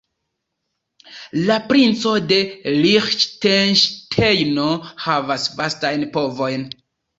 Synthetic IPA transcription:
lapɾint͡so̞de̞lixʃtenʃtʰejno̞havasvastajnpo̞vo̞jn

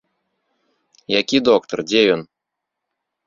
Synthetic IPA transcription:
jakʲid̪ɔkt̪ɐrd͡zʲejɔn

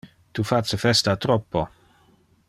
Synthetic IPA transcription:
t̪ufat͡səfɛst̪at̪ɾɔpːo

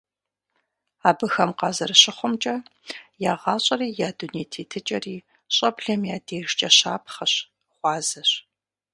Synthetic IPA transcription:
aːbɨxɐmqɑːzɐrɨɕɪχʷʊmt͡ʃʼɐjaːʁɑːɕʼɐriːjaːduneːtʰeːtʰɨt͡ʃʼɐriː | ɕʼɐbɮɐmjaːdeːʒt͡ʃʼɐɕaːpʰχɐɕ | χʷɑːzɐɕ

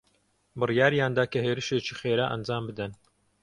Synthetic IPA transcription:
bɨrijaːɾjaːnd̪aːkɐɦeːɾɨʃeːt͡ʃiːxeːɾaːʔɐ̰nd͡ʒaːmbɨd̪ɐn

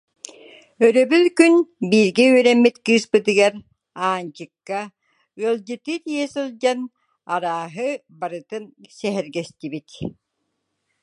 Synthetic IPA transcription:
œɾœbylkynbiːɾɡɛyœɾɛmːit̪kɯːspɯt̪ɯɡaɾ | aːnt͡ɕɯkːa | ɯɐlˠd͡ʑɯt̪ɯt̪iɛsɯlˠd͡ʑan | aɾaːɦɯbaɾɯt̪ɯnsɛɦɛɾɡɛst̪ibit̪

